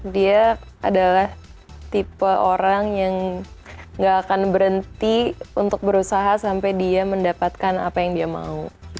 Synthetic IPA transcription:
dia | adalaht̪ipəʔoɾaŋjaŋ | ŋɡaːkanbəɾənt̪iunt̪ʊk̚bəɾusaɦasampajdiaməndapat̪̚kana̰pajaŋdiama̰u

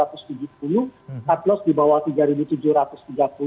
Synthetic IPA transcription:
at̪ʊst̪ud͡ʒʊhpulʊhat̪lɔsdibawat̪iɡaɾibut̪ud͡ʒʊhɾat̪ʊst̪iɡapu

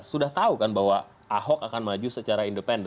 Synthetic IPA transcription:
sudaht̪aukanbaɦwa | aɦɔkakanmad͡ʒusət͡ʃaɾaindəpɛnd

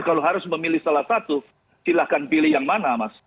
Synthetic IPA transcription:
kaloɦaɾʊsməmilɪhsalahsat̪u | silahkanpilɪhjaŋmanamas

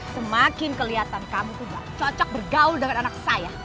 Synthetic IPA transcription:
səmakɪnkəliɦat̪ankamut̪uba̰t͡ʃɔt͡ʃɔk̚bərɡaʊldəŋananak̚saja

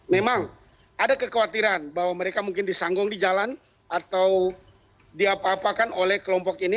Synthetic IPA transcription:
memaŋ | adakəkəwat̪iɾanbawaməɾekamuŋkɪndisaŋɡɔŋdid͡ʒalan | ʔat̪aw | diapaːpakanolɛhkəlɔmpɔkini

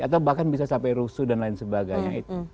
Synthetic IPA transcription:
at̪awbahkanbisasampajɾusudanlaɪnsəbaɡajɲait̪u

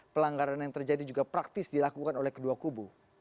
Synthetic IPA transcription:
pəlaŋɡaɾanjaŋt̪ərd͡ʒadid͡ʒuɡapɾak̚t̪ɪsdilakukanolɛhkəduakubu

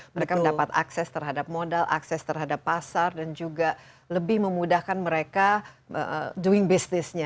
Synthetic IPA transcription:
məɾekaməndapat̪a̰ksɛst̪ərɦadap̚modalʔa̰ksɛst̪ərɦadapːasardand͡ʒuɡa | ləbɪhməmudahkanməɾeka | ə̰duɪŋbisnɪsɲa

